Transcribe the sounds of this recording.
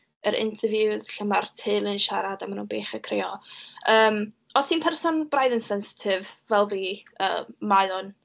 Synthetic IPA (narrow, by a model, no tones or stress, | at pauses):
əɾʔɪ̰ntʰəvjuðɬəmartʰɪlˠɨnʃaɾadamanunbeːχəkʰreːɔəːm | ɔsiːnpʰɛrsɔnb̥rajðənsɛnsɪ̥tʰɪvvɛlˠviːə̰ːmmajlˠʊn